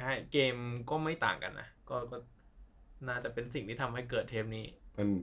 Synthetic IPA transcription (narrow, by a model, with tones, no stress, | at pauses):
a˥˩keː˧mkɔː˥˩ma˥˩jt̪a̰ː˨˩ŋka̰˧nːʔa̰˦˥kɔː˥˩kɔː˥˩ | naː˥˩t͡ɕa˨˩pe˧nsi˨˩ŋt̪ʰiː˥˩a˧mha˥˩jk̬ɤː˨˩t̪ʰːe˦˥p̚niː˦˥˩ma˧n